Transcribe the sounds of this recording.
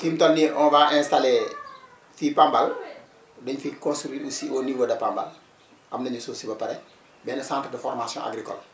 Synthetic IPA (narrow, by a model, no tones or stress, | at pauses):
kimtɔnːiʔɔnbaːʔɛnstalɛ | fiːpambal | dɔɲfikɔ̃nstuɾiːusioniwodɐpamba̰l | ʔɐmnɐɲɐsoːsibɐpɐɾɛ | bɛːnɐsãːntrdəfɔrmasjɔ̰̃ʔa̰ɡɾikɔ̰l